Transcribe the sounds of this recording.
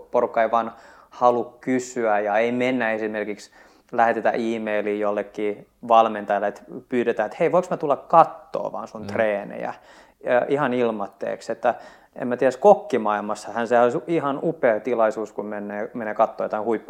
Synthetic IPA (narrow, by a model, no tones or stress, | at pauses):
porukːɑeiʋɑn | hɑlukkysyæjɑeimenːæesimerkiks | læhet̪et̪æ̰ʔiːmeiliːjolːekːiːʋɑlment̪ɑjælːæet̪pyːtet̪æːnet̪heiʋoiksmæt̪ulːɑkkɑt̪ːo̰ːʋɑ̰ːnsunt̪reːnḛjæ̰ | ʔihɑnilmɑt̪ːḛːkset̪ːæ | ḛmæt̪ieɾæskokːimɑilmɑsːɑhænseholsihɑnupeːt̪ilɑisuːskummenːeːmeneːkɑt̪ːoːjɑt̪ɑhuipː